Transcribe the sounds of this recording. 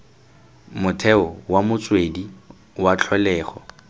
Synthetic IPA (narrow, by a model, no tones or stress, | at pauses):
mʊtʰɛʊwamʊt͡sʼwedi | wat͡ɬʰɔlɛːχɔ